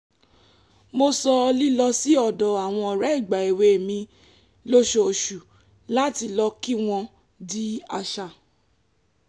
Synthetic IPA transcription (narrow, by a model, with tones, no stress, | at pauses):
mo˧sɔ˧li˦lɔ˧si˨˦ɔ˦˨dɔ˨a˨w̃ɔ̃˧ɔ˨ɾɛ˨˦i˦˨ɡ͡ba˨e˨we˧˨mĩ˧ | lo˦ʃo˧o˨ʃu˨ | la˦ti˧lɔ˧ki˦w̃ɔ̃˧ | di˦a˧ʃa˧˨